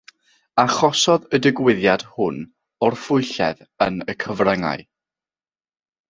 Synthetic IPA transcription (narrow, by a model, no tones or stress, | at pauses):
aχɔsɔðədɪɡwɪðjad̥hʊn | ɔrfʊjɬɛð | ənəkʰəvrɛŋa̰j